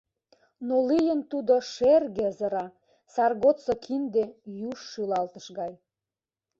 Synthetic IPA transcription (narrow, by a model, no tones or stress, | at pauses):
nolijənt̪ud̪oʃerɣĕzə̆ɾɑ | sɑrɣot̪sokʰind̪ejuʃːylɑlt̪ə̆ʃɣɑj